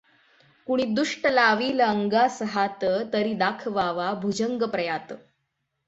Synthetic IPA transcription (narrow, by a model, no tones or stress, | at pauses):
kuɽ̃iːd̪uʂʈəlaʋiːləəŋɡasəɦat̪ət̪əɾiːd̪akʰʋaʋabʱud͡ʑəŋɡəpɾəjat̪ə